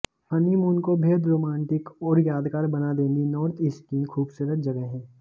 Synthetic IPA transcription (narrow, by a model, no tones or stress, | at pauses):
hənimunkobʱeːd̪ɾoːmãːɳʈɪkɔːɾjaːd̪kaːɾbɐnad̪ẽːnd̪inɔːɾt̪ʰɪskiːnkʰuːbsuɾət̪̚d͡ʒɐɡəɦɦɛ̃ː